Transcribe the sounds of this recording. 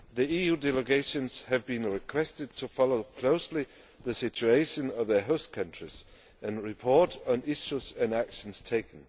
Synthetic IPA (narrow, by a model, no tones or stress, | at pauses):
ðiijʉdɛlˠəɡeɪʃɨ̃nz̥ɨvbɨ̃nɹɨkʰw̥ɛstɨd̚tʰɨfɑloʊkʰl̥oʊsli | ðɨsɪt͡ʃueɪʃɨ̃nʌvðə˞ɦoʊskʰʌ̃nt͡ʃɹ̥iz̥ | ɨ̃nɹɪpʰɔɹɾn̩ɪʃuzɨ̃nækʃn̩z̥tʰeɪkn̩